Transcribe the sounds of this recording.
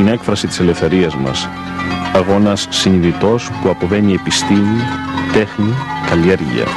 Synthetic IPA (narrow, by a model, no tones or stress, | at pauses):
ine̞kfɾɐsit̪i̥sele̞fθe̞ɾiɐzmɐ̰s | ɐɣo̞nɐsːiniðit̪o̞spuɐpo̞ve̞nie̞pist̪imit̪e̞xnikɐliɐɾʝḭɐ̰